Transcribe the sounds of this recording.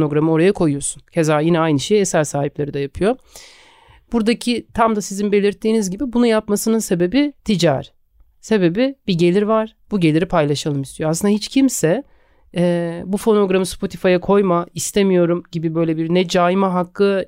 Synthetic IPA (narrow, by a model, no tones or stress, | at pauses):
noɡɾamɯo̞ɾajakʰo̞jujo̞suncʰe̞zaːjinɛajnɯʃejɛsælʲsaːɦiplʲˠaɾɯd̪ajapʰɯjo̞ | b̥uɾd̪acʰit̪ʰamd̪asizinbe̞lʲiɾt̪ʰːiːnizɟibibunujapmasɯnɯnse̞be̞bit̪ʰid͡ʒa̰ɾ | se̞be̞bibiɟe̞lʲiɾvaɾ̥b̥uɟe̞lʲiɾipʰajlˠaʃalˠɯmist̪ʰijoasɯnd̪ɦit͡ʃcʰimsɛ | ɛbufo̞no̞ɡɾamɯspʰo̞t̪ʰifajakʰo̞jmaist̪ʰemijo̞ɾumɟibibø̞jlʲebiɾnɛd͡ʒaːjimaɦakːɯ